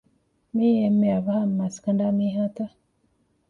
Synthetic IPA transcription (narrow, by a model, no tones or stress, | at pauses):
mijemːeaβəhammaskəndamiɦata